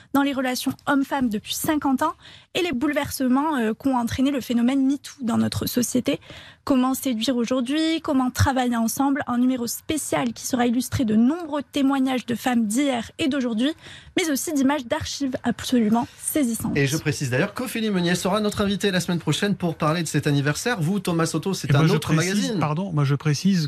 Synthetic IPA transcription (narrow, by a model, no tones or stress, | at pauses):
d̪ɑ̃leʁəlasjɔ̃ɔmfamd̪əpɥisɛ̃kɑ̃t̪ɑ̃elebulvɛʁsəmɑ̃økɔ̃ɑ̃t̪χeneləfenɔmɛnmit̪ʰu̥d̪ɑ̃nɔt̪χəsɔsjet̪ekɔmɑ̃sed̪ɥiʁoʒuʁd̪ɥikɔmɑ̃t̪χavajeɑ̃sɑ̃blɛ̃nymeʁospesjalkʲi̥səʁailyst̪χed̪ənɔ̃bʁøt̪emwaɲaʒd̪əfamd̪ijɛʁed̪oʒuʁd̪ɥimɛzosid̪imaʒd̪aʁʃivapsɔlymɑ̃sezisɑ̃t̪eʒəpχesizd̪ajœʁkəfilimɔnjɛsəʁanɔt̪χɛ̃vit̪elasmɛnpχɔʃɛnpuʁpaʁled̪əsɛt̪anivɛʁsɛʁvut̪ɔmasɔt̪osɛt̪ɛ̃not̪χəmaɡazinaʁd̪ɔ̃mwaʒəpχesiz